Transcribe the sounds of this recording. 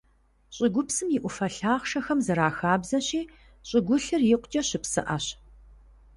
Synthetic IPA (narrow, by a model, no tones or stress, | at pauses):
ɕʼɪɡʷʊpsɨmjɪʔʷʊfɐɬaːχʃɐxɐmzɨɾaːxaːbzɐɕiː | ɕʼɪɡʷʊɬɨrjɪqʷʊt͡ʃʼɐɕɪpsɨ̰ʔaɕ